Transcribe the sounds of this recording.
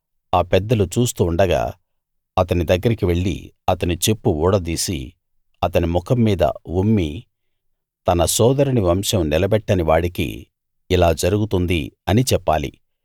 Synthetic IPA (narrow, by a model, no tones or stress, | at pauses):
aːpɛd̪ːɐlut͡ʃuːst̪uːɳɖɐɡa̰ː | ɐt̪ɐnid̪ɐɡːɐɾikiʋe̞ɭːḭ | ɐt̪ɐnit͡ʃepːuuːɽɐd̪iːsḭ | ɐt̪ɐnimukʰɐmːiːd̪ɐ̰ʋumːi | t̪ɐnɐsɔːd̪ɐɾiniʋɐmʂɐmnilɐbɛʈːɐniʋaːɽikḭː | laːd͡ʒɐɾuɡut̪und̪iɐnit͡ʃɛpːaːlḭ